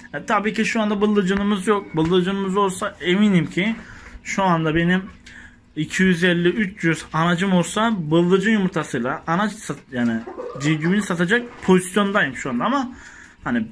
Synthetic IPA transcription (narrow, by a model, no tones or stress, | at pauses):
at̪ʰabiːcʰiʃuand̪abɯlˠːɯd͡ʒɯnɯmɯzjok̚bɯlˠːɯd͡ʒɯnɯmɯzo̞lˠsaʔeminimcʰiʃuand̪abe̞nim | icʰijyzɛlʲːiyt͡ʃjyzanad͡ʒɯmo̞lˠsabɯlˠːɯd͡ʒɯnjumuɾt̪ʰasɯjlˠaʔanat͡ʃsajaːnid͡ʒiɟybinisat̪ʰad͡ʒak̚pʰo̞zisjo̞nd̪ajɯmʃuand̪aama | hani